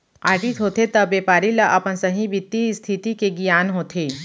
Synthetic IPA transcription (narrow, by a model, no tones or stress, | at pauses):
aːɾʈit̪ɦoːt̪et̪ɐbʋeːpaːɾilɐʔɐpənsɐɦĩbɪt̪ːist̪ʰit̪ikeɡijaːnɦoːt̪ʰeː